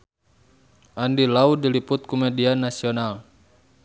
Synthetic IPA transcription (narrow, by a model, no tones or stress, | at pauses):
ʔandilaudiliput̪̚kɔmɛdianasiɔnal